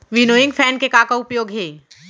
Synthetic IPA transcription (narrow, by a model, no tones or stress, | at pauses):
ʋɪnoːɪ̃ŋɡfʰɛːnkekaːkaʊpjoːɡɦeː